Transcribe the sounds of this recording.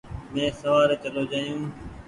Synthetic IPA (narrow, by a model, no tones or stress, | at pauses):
mɛ̃ːsəʋaːɾt͡ʃəloːd͡ʒaːijũː